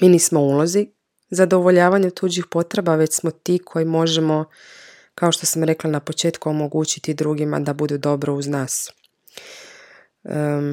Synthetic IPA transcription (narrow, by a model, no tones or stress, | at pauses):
miːniːsmouːlˠozi | zad̪o̞ʋo̞ʎaːʋaɲet̪uːd͡ʑixpo̞t̪ɾe̞baʋe̞t͡ɕsmo̞t̪iːkʰo̞jimo̞ʒemo̞ | kao̞ʃt̪o̞samɾe̞klanapo̞t͡ʃe̞ːt̪kuomo̞ɡuːt͡ɕi̥t̪id̪ɾuːɡima̰d̪abud̪ud̪o̞bɾouznaːs